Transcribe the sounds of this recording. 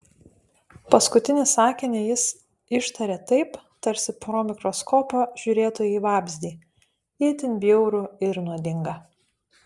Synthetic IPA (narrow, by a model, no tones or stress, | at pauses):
pɐskʊt̪ʲɪnʲɪsɑːkʲɪnʲejɪs | ɪʃt̪ɐɾʲet̪ɐɪpt̪ɐɾʲsʲɪpɾoːmʲɪkɾoskʰoːpɐʒʲʊɾʲeːt̪oːjɛiʋɑːbʲzʲd̪ʲiː | it̪ʲɪnʲbʲjɛʊɾʊɪɾnuɔd̪ʲɪŋɡɐ